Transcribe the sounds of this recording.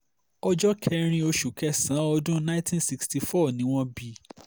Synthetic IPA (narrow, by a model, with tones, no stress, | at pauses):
ɔ˧d͡ʒɔ˦kʰɛ˦˧ɾ̃ĩ˧o˧ʃu˨kɛ˧˦sã˨˦ɔ˧dũ˦nã˦ĩ˦tʰĩ˦nsi˧ksti˧fɔ˦˨nĩ˨˦w̃ɔ̃˦bi˧